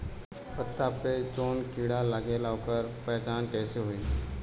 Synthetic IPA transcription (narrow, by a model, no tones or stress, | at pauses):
pət̪ːapet͡ʃoːnkiːɽalaɡelaːokəɾpɛːt͡ʃaːnkɛːseɦoːiː